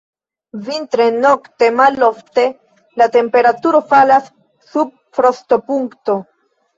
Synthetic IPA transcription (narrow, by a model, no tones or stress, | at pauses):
vintɾe̞no̞kte̞malo̞fte̞ | late̞mpe̞ɾatuɾo̞falasː | ub̚ | fɾo̞sto̞puŋkto̞